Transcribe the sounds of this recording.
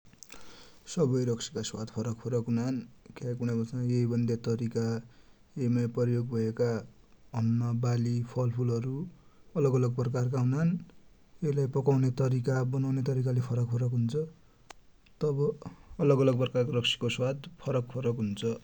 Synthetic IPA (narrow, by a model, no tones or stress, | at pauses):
sʌbʌjɾʌksʰi̥kaswad̪pʰʌɾʌkpʰʌɾʌkɦunankʰakuɽ̃abʌt͡snajeibʌnd̪ʱet̪ʌɾika | eimapʌrjoɡbʱʌeka | ʌnːʌbalipʰʌlpʰulʌɾuʌlʌɡʌlʌɡ̚prʌkark̬aɦunan | eilajpʌkawnet̪ʌɾikabʌnawnet̪ʌɾikalepʰʌɾʌkpʰʌɾʌkɦunt͡sʰʌ | t̪ʌbʌːlʌɡʌlʌɡ̚prʌkarkorʌksʰi̥koswad̪pʰʌɾʌk̚pʰʌɾʌkɦunt͡sʰʌ